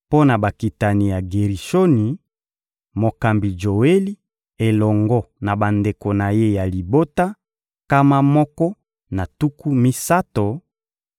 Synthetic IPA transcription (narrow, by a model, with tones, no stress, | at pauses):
po˦na˨ba˨ki˨ta˨ni˨ja˨ɡe˨ʁi˨ʃo˦ni˨ | mo˨ka˨mbi˨d͡ʒo˨we˦li˦ | e˨lɔ˨ŋɡɔ˦na˨ba˨nde˨ko˨na˨je˦ja˨li˨bo˦ta˦ | ka˦ma˦mɔ˦kɔ˦ | na˨tu˦ku˦mi˦sa˦to˨